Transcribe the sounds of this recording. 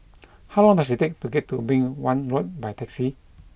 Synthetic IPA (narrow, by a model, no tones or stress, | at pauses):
hawlɔ̃ŋd̪ɛsit̪ek̚tuɡɛt̚ːubĩŋwãnɹɔt̚bajt̪ʰɛksi